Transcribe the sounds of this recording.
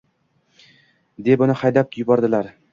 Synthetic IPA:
d̪e̞bʊnɪhajd̪ap̚jʊbɒɾd̪ɪlaɾ

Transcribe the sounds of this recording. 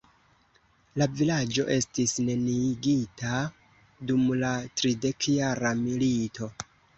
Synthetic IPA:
lavilad͡ʒo̞ʔe̞stisne̞niɡita | dumlatɾide̞kjaɾamilitʰo̞

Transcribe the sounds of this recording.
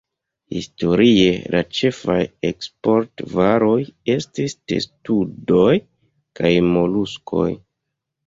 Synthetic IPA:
hḭsto̞ɾie̞lat͡ʃe̞fajekspo̞ɾtvaɾo̞je̞stiste̞̰studo̞j | kajmo̞luskʰo̞̰j

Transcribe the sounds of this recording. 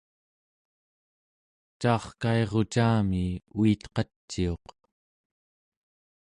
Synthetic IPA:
t͡ʃɑːχkae̞ʁo̞t͡ʃaːmiuit̪qɑt͡ʃːio̞q

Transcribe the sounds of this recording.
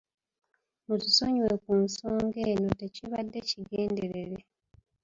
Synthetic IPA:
mutusoɲwekunsoːŋɡe̞ːno̞te̞ciβadːe̞ciɡe̞ːnde̞ɾe̞ɾe

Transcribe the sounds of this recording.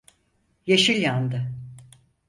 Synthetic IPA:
jeʃilʲjand̪ɯ

